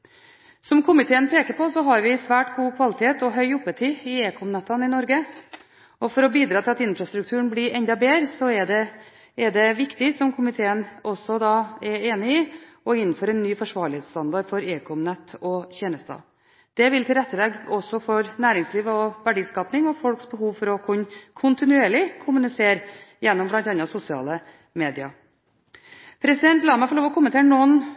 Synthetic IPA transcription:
sɔmkʰʊmɪt̪ʰeːənpʰeːkəɾpʰɔsɔɦɑɾʋɪsʋæːʈɡuːkʰʋɑlɪt̪ʰeːt̪ɔɦœʏʊpːət̪ʰɪɪeːkʰɔmnɛt̪ːɑnɪnɔɾɡə | ɔfɔɾɔbiːd̪ɾɑːt̪ʰɪlɑt̪ɪnfɾɑst̪ɾʉk̚t̪ʰʉːəɳblɪɾɛɲd̪ɑbeːɾsɔɛɖɛː | ɖɛʋɪkt̪ɪsɔmkʰʊmɪt̪ʰeːənɔsɔd̪ɑːɛɾeːnɪɪ | ɔɪnːn̩føːɾɛnːyːfɔʂʋɑːɭɪheːt̪st̪ɑnd̪ɑɾfɔɾeːkʰɔmnɛt̪ʰːɔçeːnəst̪ɑ̰ː | d̪̥ɛʋɪlt̪ʰɪlɾɛt̪ːəlɛɡɔsɔfɔɾnæːɾɪŋsliːʋɔʋæɖiːskɑːpnɪŋɔfɔlksbəɦuːʋfɔɾɔkʰʉnːkʰʊnt̪ɪnʉeːɭɪkʰʊmʉnɪseːɾjɛnːɔmblɑnt̪ɑnːɑsʊsɪɑ̰ːlə | meːd̪ɪɑ̰ | pʰɾɛsɪd̪ɛnt̪lɑːmæɪfɔlɭoːʋɔkʰʊmənt̪ʰeːɾɳɔn

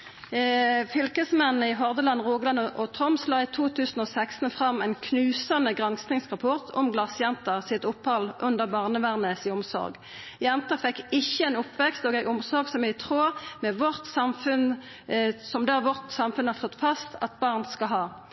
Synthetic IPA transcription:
fʏlkəsmɛnnəɪɦɔʁd̪əlɑnʁuːɡlɑnʔɔt̪ʰɔmsloːit̪ʰuːt̪ʰʉːsn̩oːsækst̪n̩fʁɑmːæɪnkʰnʉːsɑnəɡʁɑnsnɪŋsʁɑpʰɔʁt̪ʰɔ̰mɡlɑsjɛnt̪ɑsɪt̪ʊpːhɑlʔʉnd̪əʁbɑːʁnəʋæʁnəsɪʊmsɔ̰ʁɡ | jɛnt̪ɑfɛkːɪçːəɛɪnʊpʋɛkst̪oːɡæɪʊmsɔʁɡsɔmæɪt̪ʰʁoːmɛʋɔʁt̪sɑmfʉn | sɔmd̪ɛæʋɔʁt̪sɑmfʉnhɑʁst̪ɔt̪ːfɑst̪ʰɑ̰t̪̚bɑːʁnskɑɦɑː

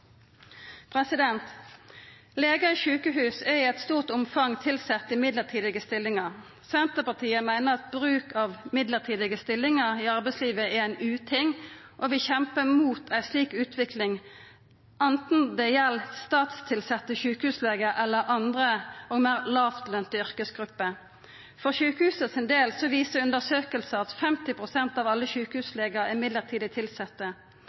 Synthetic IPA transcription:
pʰʁɛsɪd̪ɛnt̪ | leːɡəiʃʉːkəɦʉːsɛʁɪɛɪt̪st̪uːʁt̪ʊmfɑŋt̪ʰɪlsɛt̪ːɪmɪd̪ləʁt̪ʰiːd̪ɪɡəst̪ɪlːɪŋɑʁ | sɛnt̪əpɑt̪ʰiːəmæɪnəʁɑt̪̚bʁʉːkʰɑʋmɪd̪ləʁt̪ʰiːd̪ɪɡəst̪ɪlːɪŋəʁɪɑʁbɛɪtsliːʋəɛæɪnʉːt̪ʰɪŋʔoʋɪçɛmpəmuːt̪ʰæɪsliːkʉːt̪ʰʋɪklɪŋ | ʔɑnt̪n̩d̪ɛjɛlːst̪ɑːt̪st̪ʰɪlsɛt̪ːəçʉːkəhʉːsleːɡəʔɛlːəɾʔɑnd̪ʁəɔɡmæːʁlɑːʋt̪lœnt̪əʏʁkəsɡʁʉpːə | fɔʁçʉːkəhʉːsəsɪnd̪eːlsɔʋiːsəʁʉnd̪əsøːkəlsəɑt̪fɛmt̪ɪpʰʁʊsɛnt̪ɑːʋɑlːəçʉːkəhʉːsleːɡəɾɪɪmɪd̪ləʁt̪ʰiːd̪ət̪ʰɪlsɛt̪ːə

